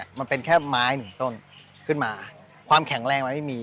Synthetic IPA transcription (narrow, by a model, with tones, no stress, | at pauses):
ma˧npe˧nkʰɛː˥˩maː˦˥jnɯ˨˩˦ŋt̪o˥˩n | kʰɯ˥˩nmaː˧ | kʰwaː˧mkʰɛ˨˩˦ŋɾɛː˧ŋma˧nma˥˩jmiː˧